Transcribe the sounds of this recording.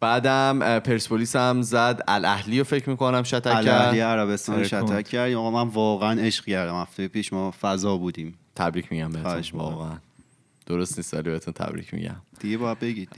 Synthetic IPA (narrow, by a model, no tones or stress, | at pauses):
b̥æːd̪æmpʰe̞ɾspʰoliːsæmzæd̪ælʔæhlijofecʰɾmiːkonæmʃæt̪ʰæælːæhɾlieæɾæβe̞st̪ɒnoʃæt̪ʰækʰːæɾd̪iːmɒɣɔmænvɒːɣeæneʃqcæɾd̪æmhæft̪ejepʰiːʃmɒːfæzɒːbuːd̪ĩːmt̪ʰæbɾiːcʰmiɟæmbeheʃvɒ̰ːɣeæn | d̪̥oɾost̪niːst̪ɒ̰libeet̪unt̪ʰæ̰bɾḭcʰmḭɟæ̰m̥iɡebɒːjæd̪̚beɟid̪